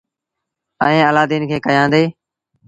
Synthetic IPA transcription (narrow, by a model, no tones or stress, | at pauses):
ə̰ẽːəlaːd̪iːnkʰeːkəjãːnd̪eː